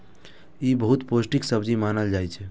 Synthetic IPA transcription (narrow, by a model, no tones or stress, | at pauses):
ibəɦut̪posʈiksəbd͡ʒimanəld͡ʒajt͡ʃʰɛ